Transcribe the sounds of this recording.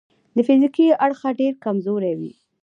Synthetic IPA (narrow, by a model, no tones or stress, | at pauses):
d̪əfizikiaɽxaɖeɾkamzoɾawḭ